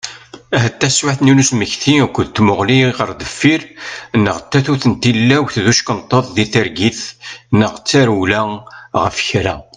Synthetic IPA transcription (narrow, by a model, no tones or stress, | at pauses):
æɦæt̪ːæswaħθninusməçθiækʷːəðt̪ːmʊʁliʁəɾðəfːiɾnːəʁət̪ːæθuθənt̪ilːæwθðuʃkənt̪ˤːəðˤðiθəɾɡiθnːəʁt͡sːaɾwlæʁə̰fçɾæ̰